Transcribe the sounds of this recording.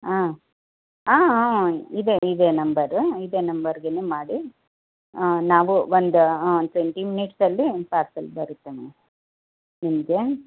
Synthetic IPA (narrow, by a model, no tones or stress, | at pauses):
aː | aː | id̪eid̪enɐmbɐɾid̪eːnɐmbɐɾɡenemaːɽi | naːʋuʋond̪uʈʋeɳʈiminiʈsɐlːipaːsɐlbɐɾut̪ːeːʋe | nimɐɡe